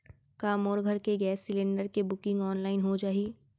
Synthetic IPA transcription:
kaːmɔːɾɡʱɐɾkeɡɛːsːɪlɪ̃ɳɖəɾkebʊkɪ̃ŋɡɔːnlaːɪnɦod͡ʒaːiː

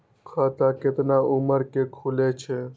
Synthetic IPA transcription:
kʰat̪akɪt̪naʔʊməɾkekʰulet͡ʃʰe

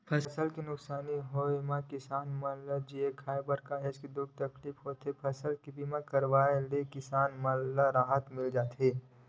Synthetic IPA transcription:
pʰɐsəsəlkinʊksaːniɦomãkɪsaːnmɐlad͡ʒiekʰaːebəɾkaɦeskid̪ʊɡ̚t̪ɐkliːfɦoːt̪epʰɐsəlkibiːmãkɐɾʋaːelekɪsaːnmɐlaɾaːɦət̪mɪld͡ʒaːt̪ɦeː

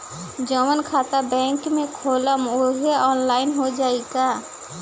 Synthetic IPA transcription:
d͡ʒəmənkʰaːt̪abɛ̃ːŋkmẽkʰoːləmʊɦeɔːnlaːɪnɦod͡ʒaːeɡaː

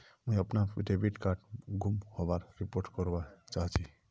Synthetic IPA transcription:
mujəpnapḭʈebiʈkaɾʈɡʱumhobaɾɾipoɾʈkɔɾbat͡ʃaɦt͡ʃʰi

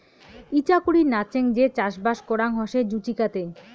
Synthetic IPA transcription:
it͡ɕakuɽiɾnat͡ɕeŋd͡ʑet͡ɕaʃbaʃkoɽaŋɦɔʃed͡ʑut͡ɕikat̪e

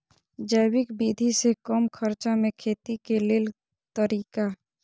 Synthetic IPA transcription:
d͡ʒəːwɪkbiːd̪ʱisekəmkʰəɾt͡ʃamẽkʰeːt̪ikelɪl | t̪əɾiːka

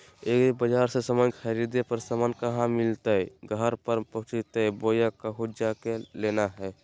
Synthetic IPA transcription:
eːkbəd͡ʒaːɾsesəmənxʰəɾid̪epəɾsəmənkəɦãmɪlt̪eɡʱəɾpəɾpəɦʊt͡ʃit̪ebojakaɦud͡ʒd͡ʒakelenaɦɛː

